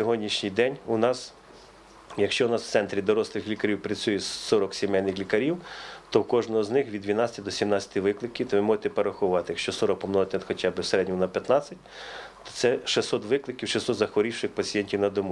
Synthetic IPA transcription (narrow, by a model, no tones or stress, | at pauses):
sʲɔɦɔdʲnʲiʃnʲɪjd̪ɛnʲunɑs | jɐkʃt͡ʃɔnɑsw̥tsɛnt̪ɾʲid̪ɔɾɔslˠɪxlʲikɐɾʲiwpɾɐt͡sʲujɛsɔɾɔksʲɪmɛjnɪxlʲikɐɾʲiwt̪ɔwkɔʒnɔɦɔznɪxʋʲid̪ʲʋʲinɑt͡sʲɐt̪ʲid̪ɔsʲimnɑt͡sʲɐ̥t̪ʲɪʋɪklˠɪkʲiwt̪ɔʋɪmɔʒɪt̪ɛpeɾɐxʊʋɑt̪ɪjɐkʃt͡ʃɔsɔɾɔk̚pɔmnɔɔt̪ʲnɛxɔt͡ʃɑbɪwseɾɛd̪ʲnʲiɔnɐpʲjɐt̪nɑt͡sʲɐtʲt̪ɔ̥t̪sɛʃɪsɔt̪ʋɪklˠɪkʲiwʃɪsɔt̪zɐxʋɔɾʲiwʃɪxpɐt͡sʲijɛnʲtʲiwnɐd̪ɔmu